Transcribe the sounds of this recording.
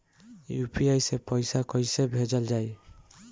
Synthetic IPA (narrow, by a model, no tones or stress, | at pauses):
jupiajsepɔjsakɔjsebʱed͡ʒɔld͡ʒaj